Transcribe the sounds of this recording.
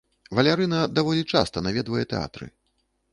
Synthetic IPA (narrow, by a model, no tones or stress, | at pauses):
vɐlʲaɾɨnɐd̪avɔlʲit͡ʂa̰st̪ɐnavʲɛd̪vɐjɛt̪ɛa̰t̪ɾɨ̰